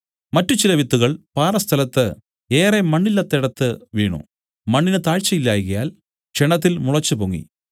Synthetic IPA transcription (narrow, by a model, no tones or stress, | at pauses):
mɐtːut͡ɕilɐʋit̪ːuɣɐɭpaːrɐst̪ʰɐlɐt̪ːɨ | e̞ːremɐɳːilːɐt̪ːeɽɐt̪ːɨʋiːɳṵ | mɐɳːinɨt̪aːɻt͡ɕːɐjilːaːjɣɐjaːl | t͡ɕeɳɐt̪̬ːilmuɭɐt͡ɕːɨpoŋːḭ